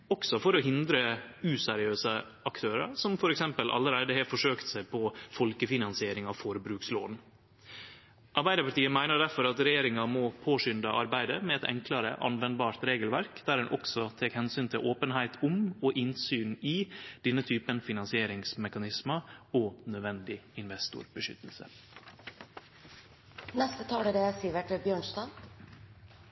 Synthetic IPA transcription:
ɔksɔfɔɾɔɦɪnd̪ɾəʉsɛɾɪøːsə | ɑkt̪ʰøːɾə̰ɾsɔmfɔɾɛksɛmpəlʔɑ̰lːəɾæɪd̪əhɛːfɔʂøːkt̪sæɪpʰɔfɔlkəfɪnɑnsɪeːɾɪŋɑʋfoːɾəbɾʉːkslo̰ːd̪n | ʔɑɾbæɪəɾpɑʈiːəmæɪnəɖæɾfɔɾɑt̪ɾɛjeːɾɪŋɑmɔpʰoːʂʏnd̪ɑʔɑɾbæɪd̪əmɛɛt̪ɛ̰ŋkʰlɑɾə̰ʔɑ̰nʋɛnd̪bɑːɾt̪ɾeːɡəlʋæɾkd̪̥æːɾɛnʔɔ̰ksɔt̪ʰeːkhɛnsyːnt̪ʰɪlʔoːpənhæɪt̪ʰʊmɔʔɪnsyːniːd̪̥ɛnːət̪ʰyːpənfɪnɑnsɪeːɾɪŋsmɛkɑnɪsməoːnœd̪ʋɛnd̪ɪɪnʋɛst̪ʊ̰ɾb̥əʃʏ̰t̪ːəl̩sə̰ | nɛst̪ət̪ʰɑːləɾəsiːʋəʈbjøːɳst̪ɑːn

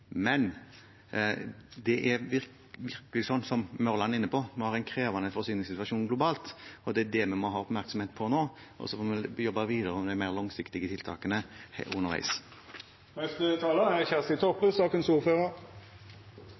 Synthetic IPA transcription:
mɛn | d̪ɛʔæɾɪ | ʋɪɾkəlɪsɔnːsɔmmœɾlɑnɪnːəpʰɔmɛhɑːʁɛɪnkʰɾeːʋɑnəfɔʁsyːnɪŋsɪt̪ʋɑʃuːnɡlʊbɑːlt̪ɔd̪ɛæd̪ɛmɛmɔɦɑːɔpmæʁksɔmheːt̪̚pʰɔnoː | ʔɔ̰sɔfoːmɛjɔbːɑʋiːd̪əʁəɔmd̪æɪmæɪʁlɔŋsɪkt̪ɪɡət̪ʰɪlt̪ʰɑ̰ːkənəhʊnəɾʋæ̰ɪs | nɛst̪ət̪ʰɑːləæçæʁsɪt̪ʰɔpəsɑːkənsuːʁføːʁəʁ

